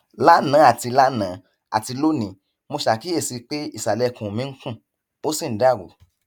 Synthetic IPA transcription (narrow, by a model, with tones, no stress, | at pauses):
la˦nã˨˦a˦˨ti˧la˦nã˨˦ | a̰˨ti˧lo˦nĩ˨ | mo˧ʃa˨ki˦e˦˨si˧k͡pe˦i˦˨sa˨lɛ˧kũ˨mĩ˨˦ŋ̩˦kũ˦˨ | o˦si˦˨n̩˨˦da˨˦˨wo̰˨